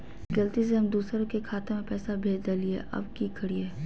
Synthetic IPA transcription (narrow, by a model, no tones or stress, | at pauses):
ɡɐlt̪is̬eɦɐmd̪uːsɾõkekʰaːt̪ẽmẽpɛːsabʱeːd͡ʒd̪aliḛʔɐ̰bkikʰɐɽieː